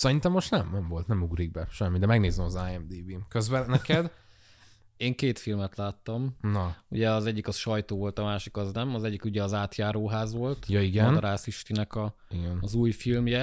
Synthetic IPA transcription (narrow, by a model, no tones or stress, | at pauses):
sɛɾint̪ɛmːoʃt̪nɛmnɛmvo̞lt̪nɛmuɡɾiɡ̚bɛʃɛmːid̪ɛmɛɡneːzɛmɒzaːjɛmd̪iːbimkøzbɛnɛkɛd̪ | eːŋkeːt̪filmɛt̪laːt̪ːɒmnɒṵɟɛɒzɛɟːikɒʃɒjt̪oːvo̞lt̪ɒmaːʃikɒznɛmɒzɛɟːikuɟɛɒzaːt̪jaːɾoːɦaːzʋo̞lt̪jɒiɡɛnd̪ɾaːsiʃt̪inɛkɒiɡɛnːzuːjfilmjɛ